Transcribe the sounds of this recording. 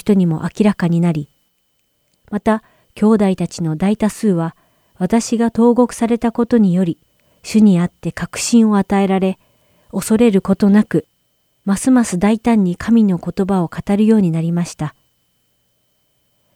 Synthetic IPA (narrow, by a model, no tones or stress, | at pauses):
t̪o̞ɲ̟imo̞̰ʔakʲiɾakaɲ̟inaɾʲi | mat̪a | kʲo̞ːd̪ait̪at͡ɕino̞d̪ait̪asɨːβa | β̞at̪aɕiɡat̪o̞ːɡo̞kɯ̟̥saɾe̞t̪ako̞t̪o̞ɲ̟ijo̞ɾʲi | ɕɨɲ̟iat̪ːe̞kakɯ̟̥ɕĩɰ̃o̞at̪ae̞ɾaɾe̞ | o̞so̞ɾe̞ɾɯ̟ko̞t̪o̞nakɯ̟ | masɨmasɨd̪ait̪ãɲ̟ːikʰamʲino̞ko̞t̪o̞bao̞kat̪aɾɯ̟jo̞ːɲ̟inaɾʲimaɕi̥t̪a